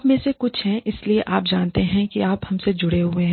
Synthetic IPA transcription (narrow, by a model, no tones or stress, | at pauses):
pmẽːsekʊt͡ʃʰɦɛ̃ɪslieʔaːp̚d͡ʒaːnt̪eɦɛ̃kiaːphɐmsed͡ʒʊɽeɦʊeɦɛ̃ː